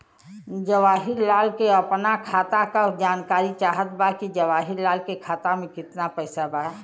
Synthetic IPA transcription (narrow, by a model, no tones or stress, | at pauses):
d͡ʒəʋaːɦiɾlaːlkeəpnakʰaːt̪akad͡ʒaːnkaːɾit͡ʃaːɦət̪̚bakid͡ʒəʋaːɦiɾlaːlkekʰaːt̪amẽkɪt̪napəɪsaba